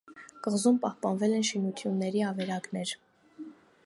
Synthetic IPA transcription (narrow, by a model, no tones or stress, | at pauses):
kəʁzumpɑhpɑnvɛlɛnʃinut̪ʰjunːɛɾiɑvɛɾɑɡnɛɾ